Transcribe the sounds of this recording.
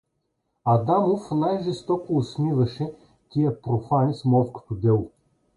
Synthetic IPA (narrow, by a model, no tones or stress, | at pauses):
ɐd̪amofnajʒɛst̪ɔkoːsnʲivɐʃɛ | t̪ʲiəpɾofanismɔfko̥t̪od̪ɛlˠo